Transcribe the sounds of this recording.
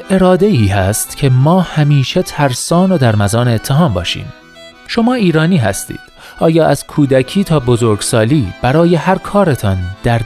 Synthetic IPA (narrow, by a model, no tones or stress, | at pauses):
e̞ɾɒːd̪e̞iːhæst̪cʰe̞mɒːhæmiːʃet̪ʰæɾsɒːnod̪æɾmæzɒːneet̪ʰːeɦɒːmbɒːʃḭːm | ʃo̞mɒːiːɾɒːniːɦæ̰st̪ḭːd̪̥ | ʔɒːjɒːʔæz̥kʰuːd̪æcʰiːt̪ʰɒːbozo̞ɾɡsɒːliːb̥æɾɒːje̞hæɾkʰɒːɾe̞t̪ʰɒnd̪̥æɾ